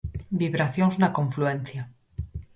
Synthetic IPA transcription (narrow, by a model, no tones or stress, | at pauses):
biβɾaθjonsunakõ̞ɱfluen̟θja